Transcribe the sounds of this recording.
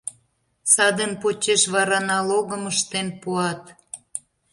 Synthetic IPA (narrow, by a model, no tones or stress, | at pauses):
sɑd̪ənpot͡ɕeʃβɑɾɑnɑloɣəməʃt̪enpuɑt̪